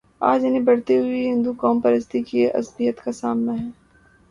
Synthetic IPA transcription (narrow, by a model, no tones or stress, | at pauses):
a̰ːd͡ʒɪnẽbɐɽt̪iɦʊiɦɪ̃nd̪ukɔːmpɐɾəst̪ikeʔɐ̰sbijət̪kasaːmnaɦɛ̃ː